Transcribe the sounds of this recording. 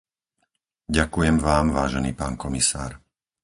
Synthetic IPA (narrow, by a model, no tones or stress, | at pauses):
ɟakujɛmʋaːmʋaːʒɛnḭːpaːnkɔmisa̰ːɾ